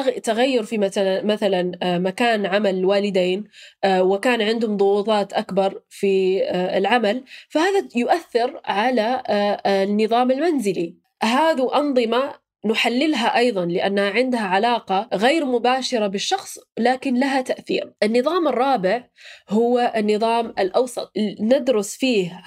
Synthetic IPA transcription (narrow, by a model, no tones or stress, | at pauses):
t̪aɣajːʊɾfimaθalamaθalanmakaːnʕamalwaːlɪd̪eːnwɪkaːnʕɪnd̪hʊmðˤʊwuːt̪ˤɑːt̪ʔakbɑɾˤfiɪ̰lʕamalfahaːðajʊʔaθːɪɾʕala | nːɨðˤɑːmɪlmanzɪli | ɦaːðiʔɑnðˤɨma | nʊħalːɪlɦaʔɑjðˤɑnlɪʔanːhaʕɪnd̪haʕalaːqɑɣeːɾmʊbaːʃɪɾabɪʃːɑxsˤlaːkɪnlaɦat̪aʔθḭːɾʔɪnːɨðˤɑːmɪrˤːɑːbɪʕhʊwʔɪnːɨðˤɑːmɪlʔɑwsˤɑ̰t̪̚ˤnɪd̪ɾʊsfiːh